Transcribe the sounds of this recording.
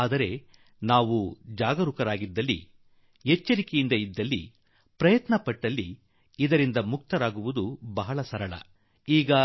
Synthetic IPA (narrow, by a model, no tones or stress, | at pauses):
aːd̪ɐɾe̞ | naːʋud͡ʒaːɡɐɾukɐɾaːɡid̪ːɐlːḭ | ɦet͡ʃːɐɾikejind̪ɐid̪ːɐlːḭ | pɾɐjɐt̪nɐpɐʈːɐlːiː | d̪ɐɾind̪ɐmuk̚t̪ɐɾaːɡuʋud̪ubɐɦɐɭɐsɐɾɐɭɐ̰ | iːɡɐ